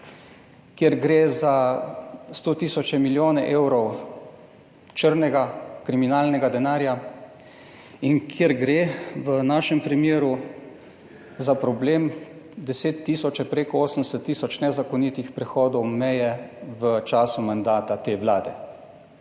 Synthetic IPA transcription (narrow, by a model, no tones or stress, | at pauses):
kjɛɾɡɾeːza | st̪oːt̪isɔt͡ʃɛmiljoːnɛʔeːwɾɔw | t͡ʃəɾnɛɡakɾiminaːlnɛɡad̪ɛnaːɾja | iŋkʰjɛɾɡɾeːʋənaːʃɛmpɾimjeːɾu | zapɾɔbleːm | d̪ɛseːt̪ːiːsɔt͡ʃɛpɾeːkɔoːsənd̪sɛt̪ːiːsɔt͡ʃnɛzakɔniːt̪ixpɾɛxɔːd̪ɔwmɛjɛʋət͡ʃaːsumand̪aːt̪at̪eːʋlaːd̪ɛ